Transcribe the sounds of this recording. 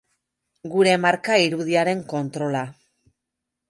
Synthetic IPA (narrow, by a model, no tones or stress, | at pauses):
ɡuɾe̞maɾkaiɾuð̞iaɾe̞ŋko̞nt̪ɾo̞la